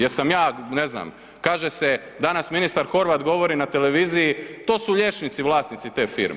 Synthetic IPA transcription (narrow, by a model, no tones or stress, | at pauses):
jeɾsamjaːnezna̰m | kaːʒese | d̪anasminist̪aɾxo̞ɾʋat̪ɡo̞ʋo̞ɾinat̪ele̞ʋiːzijit̪oːsuʎe̞t͡ʃnit̪siʋlˠaːsnit̪sit̪e̞ːfḭːɾm